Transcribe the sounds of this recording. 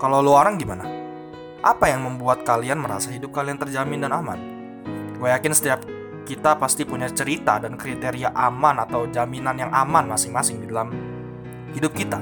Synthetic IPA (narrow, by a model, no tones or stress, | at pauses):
kalawloaɾaŋɡimana | ʔapajaŋməmbuat̪̚kalianməɾa̰saɦidʊp̚kaliant̪ərd͡ʒamɪndanama̰n | wajakɪnsə̥t̪iap̚ | kit̪apast̪ipuɲat͡ʃəɾit̪a̰dankɾit̪eɾiaʔamanat̪awd͡ʒaminanjaŋʔamanmasɪŋmasɪŋdidalam | hidʊp̚kit̪a